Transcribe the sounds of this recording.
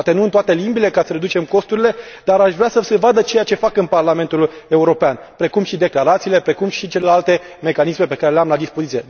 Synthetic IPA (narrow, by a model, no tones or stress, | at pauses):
t̪enuɨnt̪oat̪e̞limbile̞kasəɾe̞d̪ut͡ʃe̞mko̞st̪uɾile̞d̪aɾaʃvɾeasəsevad̪ət͡ʃe̞jat͡ʃe̞fakɨnparlame̞nt̪ule̞uɾo̞peanpɾe̞kumʃid̪e̞klaɾat̪siːle̞pɾe̞kumʃit͡ʃe̞le̞lalt̪e̞ | me̞kanisme̞pe̞kaɾe̞leamlad̪ispo̞zit̪sije